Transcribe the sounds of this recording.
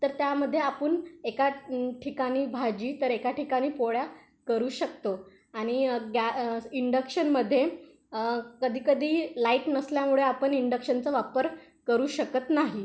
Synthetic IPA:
t̪əɾt̪jaməd̪ʱːjeapəɳekaʈʰikaɽ̃iːbʱad͡ʑiːt̪əɾekaʈʰikaɽ̃iːpoɭja | kəɾuːɕəkt̪o | aɽ̃iɡaiɳɖəkɕənməd̪ʱːje | kəd̪ʱiːkəd̪ʱiːlaiʈnəsljamuɭeapəɳiɳɖəkɕənt͡səʋapəɾ | kəɾuːɕəkət̪naɦi

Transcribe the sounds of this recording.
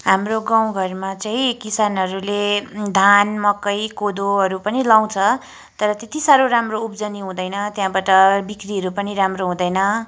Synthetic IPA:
ɦamroɡaw̃ɡʱʌrmat͡saĩkisanɦʌɾuled̪ʱanmʌkːʌjkod̪oɦʌɾupʌnilaw̃t͡sʰʌ | t̪ʌɾʌt̪et̪isaɾoɾamroupd͡zʌniɦũd̪ʌjnʌt̪jãbaʈʌbikriɦʌɾupʌniɾamroɦũd̪ʌjnʌ

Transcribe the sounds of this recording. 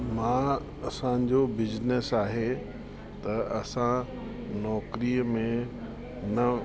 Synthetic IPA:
mã | ɐsãd͡ʑobɪd͡ʑnesaːɦe | t̪ɐɐsã | nɔːkɾimẽ | nɐ

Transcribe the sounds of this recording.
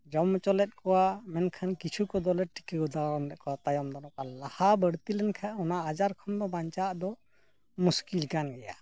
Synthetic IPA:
d͡ʒɔmt͡ʃɔlɛt̪̚kɔwamɛnkʰankit͡ʃʰukɔd̪ɔlɛʈi̥kəɡɔd̪aɔmɾɛʔ̚kɔwat̪ajɔmd̪anɔkalahabəɽt̪ilɛnkʰaɔnaʔad͡ʒaɾkʰɔmd̪ɔbaɲt͡ʃaʔd̪ɔ | muskilkanɡɛja

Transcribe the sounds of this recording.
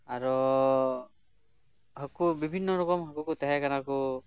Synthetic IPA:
aɹɔ | ɦɔkubibʱinːɔɹɔkɔmɦɔkukut̪aɦɛkanaku

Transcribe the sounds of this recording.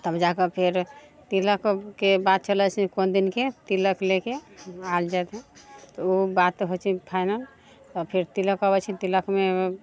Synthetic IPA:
t̪əbd͡ʒakəpʰeɾt̪iləkkebat̪̚t͡ʃəlɛt͡ʃʰikond̪inket̪iləklekeald͡ʒat̪ɦɛ̃t̪ɔubat̪ɦot͡ʃʰipʰaɪnəl | t̪ɔpʰeɾt̪iləkɔbɛt͡ʃʰit̪iləkme

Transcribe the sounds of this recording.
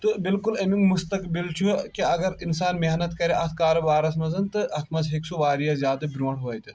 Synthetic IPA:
t̪ɨbɪlkulɐmiŋmust̪ɐkbilt͡ʃʰukiɐɡɐɾinsaːnmeɦnɐt̪kɐɾeʔɐt̪ʰkaːɾobaːɾɐsmɐzɐnt̪ɨʔɐt̪ʰmɐzɦeksoʋaːɾijazʲjaːd̪ɨbɾoːʈʰɦoɐjt̪ɨ

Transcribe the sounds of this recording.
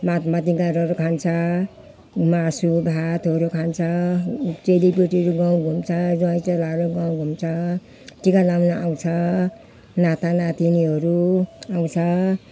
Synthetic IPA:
mat̪mat̪iɡaɾʌɾukʰant͡sʰʌ | masubʱat̪ʌɾukʰant͡sʰʌt͡selipeʈiɾuɡaw̃ɡʱumt͡sʰʌd͡zʌjt͡selaɾuɡãw̃ɡʱumt͡sʰʌ | ʈikalawnaʔaw̃t͡sʰʌ | nat̪anat̪iniɦʌɾuaw̃t͡sʰʌ

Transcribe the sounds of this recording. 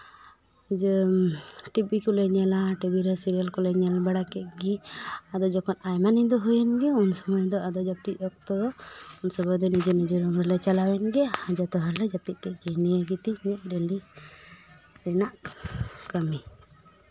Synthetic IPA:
d͡ʒ | ʈipːikɔleɲɛlaʈibiɾasiɾijalkɔlɛɲɛlabɛɽakɛʔɡiad̪ɔd͡ʒɔkʰɔnajmanid̪ɔɦujɛnɡɛunsɔmɔjd̪ɔad̪ɔd͡ʒat̪iʔɔk̚t̪ɔd̪ɔunsɔbɔjd̪ɔnid͡ʒenid͡ʒɔɾɔmɾɛlɛt͡ʃalawɛnɡɛad͡ʒat̪ɔɦalɛd͡ʒapit̪̚ˀt̪ɛʔɡɛnɛɡit̪imɛt̪̚ˀɾeli | ɾɛnaʔ | kəmi

